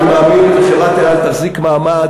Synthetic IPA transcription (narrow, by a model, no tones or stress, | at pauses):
maːminaʃevat̪elalt̪aχzikmaːma